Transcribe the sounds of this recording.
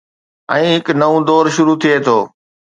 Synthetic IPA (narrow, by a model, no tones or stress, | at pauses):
ɛ̃ːɦɪknɐʋũd̪ɔːɾʃʊɾut̪ʰieːt̪ʰoː